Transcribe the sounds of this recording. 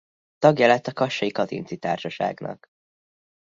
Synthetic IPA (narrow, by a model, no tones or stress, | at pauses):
t̪ɒɡjɛlɛt̪ːɒkɒʃːɒjikɒt̪ḭnsit̪aːrʃɒʃa̰ːɡnɒ̰k